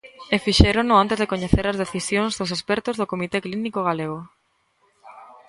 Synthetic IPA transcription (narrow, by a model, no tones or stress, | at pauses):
efiʃeɾonʊant̪ezðekoɲeθeɾɐzðeθisjoŋzðos̬espɛɾt̪ʊzðokomit̪eklinikoɣaleɣo